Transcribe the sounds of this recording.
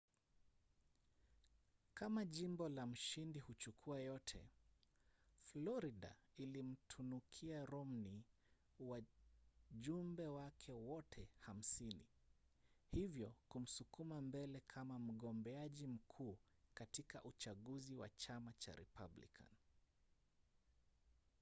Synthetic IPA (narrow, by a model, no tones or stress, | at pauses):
kamaʄimbɔlam̩ʃindihut͡ʃukʰuajɔtʰɛ̰ | flɔɾiɗa̰ilim̩tʰunukʰiaɾɔmni | wa | ʄumbɛwakʰɛwɔtʰɛham̩sinḭ | hivjɔkum̩sukumambɛlɛkʰamam̩ɠɔmbɛaʄim̩kʰuː | katika̰ʔut͡ʃaɠuziwa̰t͡ʃamat͡ʃa̰ɾɛ̰pa̰blḭkʰa̰n